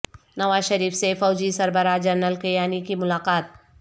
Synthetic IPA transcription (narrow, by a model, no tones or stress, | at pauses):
nɐʋaːzʃɐɾiːfsefɔːd͡ʒisɐɾbəɾad͡ʒɐɾnəlkɐjaːnikimʊlaːqaːt̪̚